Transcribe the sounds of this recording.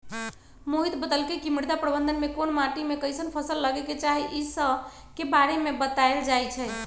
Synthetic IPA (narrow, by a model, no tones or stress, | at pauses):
moɦit̪bəd̪əlkekimiɾd̪apɾəbə̃nd̪ənmekonmaʈimekəjsənpʰəsəlːəɡɛket͡ʃaɦiʔisə | kebaɾemebət̪aeld͡ʒajt͡ʃʰɛ